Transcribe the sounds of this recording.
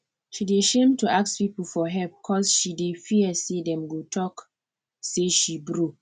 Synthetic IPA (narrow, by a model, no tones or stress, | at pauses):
ʃideʃẽmtuʔakspipl̩fɔɦɛbikʰɔsʃidefiəsedɛ̃mɡotʰɔk | seʃibɹo